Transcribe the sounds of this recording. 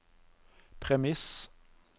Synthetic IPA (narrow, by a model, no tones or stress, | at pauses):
pʰʁɛmɪs